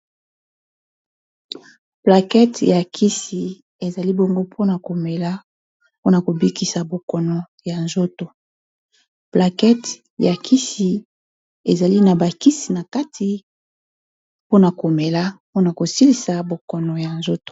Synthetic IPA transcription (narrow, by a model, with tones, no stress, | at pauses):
pla˨kɛ˦tja˨kʰi˦si˨ | e˨za˨li˦bo˦ŋɡo˦pʰo˦na˨ko˨me˨la˦ | po˦na˨ko˨bi˦ki˨sa˨bo˨kɔ˨nɔ˨ | ja˨nzo˦to˨ | pla˨kɛ˦t | ja˨kʰi˦si˨ | e˨za˨li˦na˨ba˨ki˦si˨na˨ka˦tʰi˨ | po˦na˨ko˨me˨la˦po˦na˨ko˨si˦li˨sa˨bo˨kɔ˨nɔ˨ja˨nzo˦to̥˨